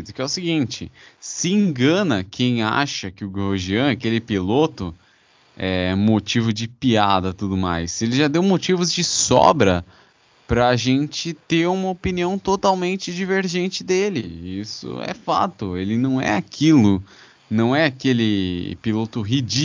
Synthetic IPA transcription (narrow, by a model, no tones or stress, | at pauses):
d̪ʊkɪɛʊsɪɡĩnt͡ʃɪsɪĩɡɐ̃nɐkʰẽj̃a̰ʃɐkɪʊɡoɾʒiɐ̃ɛakelɪpilot̪ʊ | ɛmot͡ʃivʊd͡ʒɪpiad̪ɐt̪ud̪ʊma̰jselɪʒad̪ewmot͡ʃivʊzd͡ʒɪsɔ̰bɾɐ | pɾɐːʒẽnt͡ʃɪt̪eɾũmɐopiniɐ̃w̃t̪ot̪awmẽnt͡ʃɪd͡ʒiveɾʒẽnt͡ʃɪd̪elɪisʊ̰ɛ̰fa̰t̪ʊelɪnɐ̃w̃ɛ̰akʰilʊ | nɐ̃w̃ɛakelɪpilot̪ʊɦid͡ʒi